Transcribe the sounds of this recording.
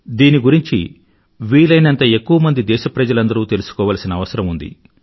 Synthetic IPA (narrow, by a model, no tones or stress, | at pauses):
d̪iːniɡuɾiɲt͡ʃḭ | ʋiːlɐjnɐnt̪ɐe̞kːuʋɐmɐnd̪id̪ɛːʃɐpɾɐd͡ʒɐlɐnd̪ɐɾuːt̪e̞lusu̥kɔːʋaːlɐsinɐːʋɐsɐɾɐmund̪ḭ